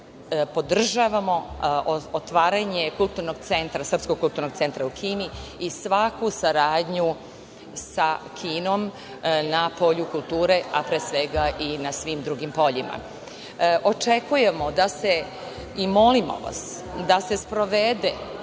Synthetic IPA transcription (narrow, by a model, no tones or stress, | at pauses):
po̞d̪r̩ʒaʋamo̞ | ot̪ʋaːɾaɲekulˠt̪uɾno̞ɡ̚t̪se̞nt̪ɾasrpskoɡ̚kulˠt̪uɾnoɡ̚t̪se̞nt̪ɾaukʰiːniisʋakusaɾaːd̪ɲu | sakʰiːno̞m | napo̞ʎukulˠt̪uːɾe̞apɾeːsʋe̞ɡaʔinasʋimd̪ɾuɡimpo̞ʎima̰ | ʔo̞t͡ʃe̞kuje̞mo̞d̪ase | imo̞limo̰ʋa̰s | d̪ase̞spɾoʋed̪e